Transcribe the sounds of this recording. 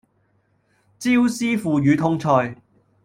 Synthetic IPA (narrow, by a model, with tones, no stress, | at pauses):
t͡siː˥wsiː˥fuː˨jyː˨˧t̪ʰʊ˥ŋt͡sʰɔː˧j